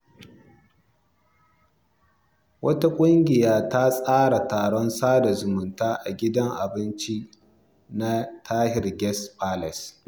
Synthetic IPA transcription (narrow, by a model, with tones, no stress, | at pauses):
wʔɐ˦ta˦kʷʼʊ˦ŋɡʲɪ˨jaː˦ta˦sʼaː˦ɽa˨taː˨ɽɔ˦nsaː˦da˨zʊ˨mʊ˨ntaː˦ʔa˨ɡʲɪ˦dɐ˦ŋʔa˨bɪ˦nt͡ʃi˦ | na˦tʰaː˦hɪ˨rɡʲɛ˦spʰaː˦lɛ˨s